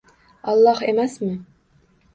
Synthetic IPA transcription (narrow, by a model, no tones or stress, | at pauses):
ɑlˠːɑhemæsmɪ